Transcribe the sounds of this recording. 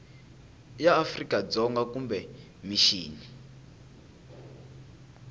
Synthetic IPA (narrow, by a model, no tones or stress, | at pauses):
jaːfrikad͡zɔŋɡakumbɛ | miʃiːni